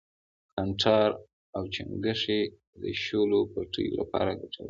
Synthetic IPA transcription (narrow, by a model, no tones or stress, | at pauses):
kʰanʈʰɑɾ | awt͡ʃaŋɡəʂe | d̪əʃolopaʈʰəjo̰lapɑɾaɡaʈʰawə